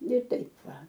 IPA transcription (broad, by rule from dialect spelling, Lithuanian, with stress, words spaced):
nʲɛ ˈtɐɪp ˈʋɐ